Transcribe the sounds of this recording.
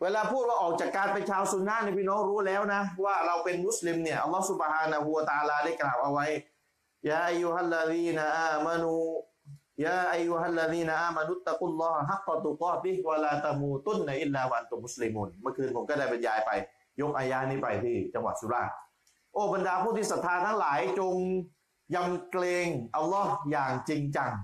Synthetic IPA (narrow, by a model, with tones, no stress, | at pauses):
weː˧laː˧pʰuː˥˩t̪̚waː˧ʔɔː˨˩k̚t͡ɕaː˨˩kːaː˧npe˧nt͡ɕʰaː˧wsu˧˦nːaː˥˨niː˧˨pʰiː˥˨nɔː˦˥ŋɾuː˦˥lɛː˦˥˩wna˦˥waː˥˩ɾa˧wpe˧nmu˦˥˩sli˧mni˥˩ɐʔa̰˧lːɔː˦˥hsu˧bhaː˧na˧ɦu˧wa˧t̪a˧ʔaː˧laː˧da˥˩jklaː˨˩wʔa˧wa˦˥j | jaː˧ʔa˧jːu˧ɦa˧˨lːa˧ðiː˧na˧ʔaː˧ma˧nuː˧ | jaː˧ʔa˧jːu˧ɦa˧˨lːa˧ðiː˦˧na˧ʔaː˧˨ma˧nu˧˨ʔt̪ːa˧qu˦lːɔː˥hɦa˦˥qːat̪u˨qɔː˥˧ti˦hwa˧laː˧t̪a˧muː˧t̪u˥˨nːaʔi˦˥lːaː˧wa˧ʔa˧nt̪u˧mːu˦˥sli˧muː˧˩nmɯ˥˩əkʰɯː˧npʰo˩˦mkɔː˥˩da˥˩jpe˧njaː˧jpa˧j | jo˦˥k̚ʔaː˧jaː˧˥˨niː˦˥˩pa˧jt̪ʰiː˥˩t͡ɕa˧ŋwa˨˩t̪̚su˨˧˩laː˥˩ | ʔoː˧˩ba˧ndaː˧pʰuː˥˩t̪ʰiː˥˩sa˨˩t̪ʰːaː˧nt̪ʰa˦˥ŋlaː˨˩˦jt͡ɕo˧ŋ | ja˧mkleː˧ŋʔa˧lːɔ˦˥hjaː˨˩ŋt͡ɕi˧ŋt͡ɕa˧ŋ